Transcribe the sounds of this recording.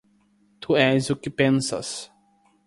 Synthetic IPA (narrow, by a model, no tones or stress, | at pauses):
t̪ʰuɛzʊkɪpẽnsɐ̰s